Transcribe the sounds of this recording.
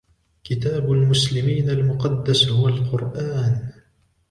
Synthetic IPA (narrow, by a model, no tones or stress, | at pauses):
kɪt̪aːbalmʊslɪmiːnalmʊqɑd̪ːashʊwalqʊɾʔaːn